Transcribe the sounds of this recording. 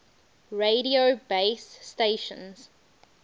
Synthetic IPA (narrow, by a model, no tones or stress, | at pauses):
ɹeɾiobeɪsːteʃə̰̃nz̥